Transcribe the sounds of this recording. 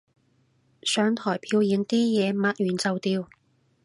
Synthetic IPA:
sœː˨˧ŋt̪ʰɔː˨˩jpʰiː˧wjiː˨˧nt̪iː˥jɛː˨˧maː˧t̚jyː˨˩nt͡sɐ˨wt̪iː˧w

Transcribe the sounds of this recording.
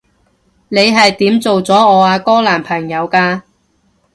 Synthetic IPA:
ne˨˧jɦɐ˨jt̪iː˨˥mt͡so˨wt͡sɔː˨˥ɔː˨˧aː˧kɔː˥laː˨˩npʰɐ˨˩ŋjɐ˨˧wkaː˧

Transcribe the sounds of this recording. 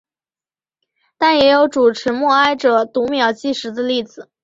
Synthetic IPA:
t̪a˥˩njɛ˧˥jo˧˥ʊʈ͡ʂu˨˩ʈ͡ʂʰɻ̩˧˥mwɔ˥˩a˥ɪʈ͡ʂɤ˨˩t̪u˧˥mjɑ˨˩ʊt͡ɕi˥˩ʂɻ̩˧˥d̪ə˧li˥˩d͡zɹ̩˨˩˦

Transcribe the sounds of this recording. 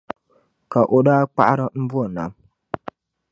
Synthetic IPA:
ka˨ʔo˨ɗa˦k͡pa̰˦ʔɾa˦m̩˦bu˦a˨na̰˨˦m

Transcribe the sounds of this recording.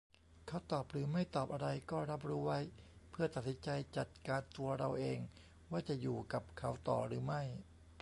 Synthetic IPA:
kʰa˦˥wt̪ɔː˨˩p̚ɾɯː˩˦ma˥˩jt̪ɔː˨˩p̚ʔa˧ɾa˧jkɔː˥˩ɾa˦˥p̚ɾuː˦˥wa˦˥jpʰɯ˥˩ɐt̪a˨˩t̪̚si˩˦nt͡ɕa˧jt͡ɕa˨˩t̪̚kaː˧nt̪u˧ɐɾa˧wʔeː˧ŋ | waː˥˩t͡ɕa˨˩ʔjuː˨˩ka˨˩p̚kʰa˦˥wt̪ɔ̰ː˨˩ɾɯː˩˦ma˥˩j

